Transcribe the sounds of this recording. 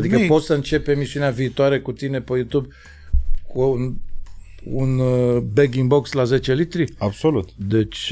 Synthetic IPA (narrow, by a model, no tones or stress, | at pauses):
d̪ikəpo̞t̪sʲsəɨnt͡ʃe̞pemisiuneaviːt̪oaɾe̞kut̪ine̞pəjut̪ub | kun | unbeɡiŋbo̞kslaze̞t͡ʃe̞lit̪ɾiabsolut̪d̪e̞t͡ʃʲ